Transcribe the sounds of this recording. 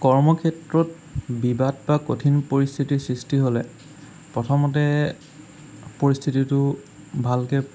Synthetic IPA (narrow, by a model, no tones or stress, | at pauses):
kɔɹmɔkʰɛtɹɔt | bibadbakotʰinpoɹist̪ʰitiɹsɹistiɦolɛ | pɹɔtʰɔmɔtɛ | poɹist̪ʰititʊ | bʱalkɛ